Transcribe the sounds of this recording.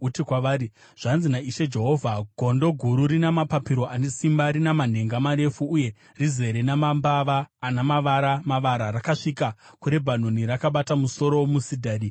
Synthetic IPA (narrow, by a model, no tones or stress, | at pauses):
utikwaʋaːɾi | ʐ̥anzinaiʃe̞d͡ʒe̞ɦo̞ːvʱaɡʱo̞ndo̞ɡʱuɾuɾinamapapiɾo̞ʔane̞simbaɾinaman̤e̞ŋɡamaɾe̞fuːje̞ | rize̞ɾenamambaʋaːnamaʋaɾamaʋaɾaɾakaʂikakuɾe̞bʱan̤o̞niɾakaɓatamuso̞ɾomusidʱaːɗi